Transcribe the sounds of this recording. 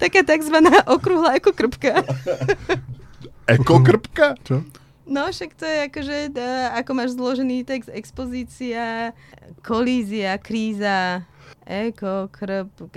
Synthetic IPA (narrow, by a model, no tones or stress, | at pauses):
t̪akaːt̪aɡzʋanaːʔɔkɾuɦlaɛkɔkr̩pka | ɛkɔkr̩pkat͡ʃɔ | nɔʃakt̪ɔjɛakɔʒɛakɔmaːʒzlɔʒɛniːt̪ɛɡzd̪ɛkspɔziːt͡sia | kʰɔliːziakɾiːza | ʔɛkɔkʰɾ̩p̚k